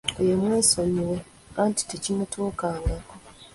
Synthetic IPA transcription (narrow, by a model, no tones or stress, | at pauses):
ojemweːsoɲiwe | kanti̥tecinotʰuːkaːŋɡako